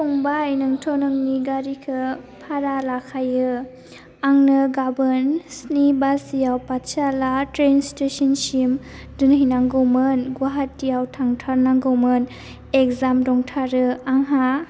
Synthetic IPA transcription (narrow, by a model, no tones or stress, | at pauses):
tʰoŋbajnɯŋtʰonɯŋniɡaɾikʰɯpʰaɾalakʰajɯ | aŋnɯɡabɯnsnibasijawpatt͡ʃalatɾenstesɔnsim | dɯnɦinaŋɡowmɯnɡwaɦatːijawtʰaŋtʰaɾnaŋɡowmɯn | ekzamdɔŋtʰaɾɯaŋɦa